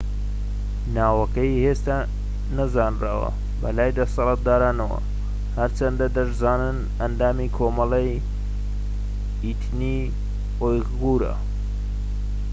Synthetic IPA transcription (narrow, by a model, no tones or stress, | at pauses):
naːwɐkɐjheːst̪a | nɐzaːnra̰ːwɐ̰ | bɐ̰laːjd̪ɐsɐlˠaːt̪̚d̪aːɾaːnɐwɐ̰ | hɐɾt͡ʃʰɐnd̪ɐd̪ɐʃzaːnɨn | ɐnd̪aːmiːkʰoːmɐlɐj | it̪ʰni | oj | ɣuːɾɐ̰